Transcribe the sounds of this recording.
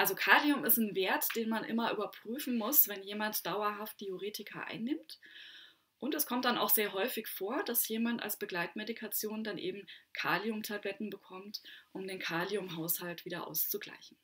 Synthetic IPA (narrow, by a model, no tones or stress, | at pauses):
ʔalzokʰaːliʊmɪstn̩veːɐtd̥eːnmanʔɪ̰mɐʔyːbɐpʁ̥yːfn̩mʊsv̥ɛnjeːmantd̥aʊɐɦaft̚tʰeoʁeːtʰɪkʰɐ̰ʔa̰ɪnːɪmt | ʔʊntɛskʰɔmt̚d̥ana̰ʊxz̥eːɐɦɔʏfɪçfoːɐd̥asjeːmanta̰lsb̥əɡlaɪtmedikʰat͡sjoːndanʔḛːbm̩kʰaːlijʊmtʰablɛtn̩bəkʰɔmtʔʊmdeːnkʰaːliʊmɦaʊshaltv̥iːdɐʔa̰ʊst͡suɡla̰ɪçn̩